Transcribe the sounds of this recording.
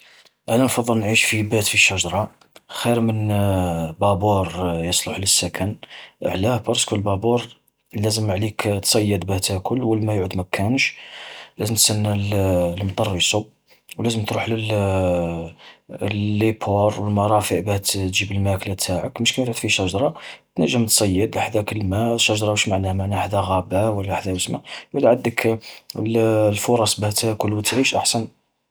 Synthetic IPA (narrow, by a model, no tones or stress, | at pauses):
ʔænænfɑd̪ˤːəlnʕiʃfibæt̪fiʃːæʒɾˤɑ | xiɾmən | bɑbuɾjəsˤloħləsːækʰæn̰ʕlæhbɑɾskulbɑbuɾˤ | læzəmʕlikt̪sˤɑjːəd̪bæt̪hækʰʊlːwəlmæjʕəd̪mækʰænʃlæzəmt̪sænːællmt̪ˤɑrˤːisub | wlæzəmt̪ɾuħləl | llːipʰoɾˤwəlmɑɾˤɑfəʔbæht̪t̪ʒibəlmæklæt̪ʰaʕəkməʃkænd̪t̪fiʃɑʒɾˤɑt̪næʒːəmt̪sˤɑjːəd̪ʔħd̪ækəlmæʃːæʒɾˤɑəʃmaʕnæhmaʕnæʔħd̪æɣæbæwəlːæħd̪æwəsmæbwəlːʕad̪əkllfʊɾˤɑsˤbæht̪ækʊlwət̪ʕiʃʔaħsæn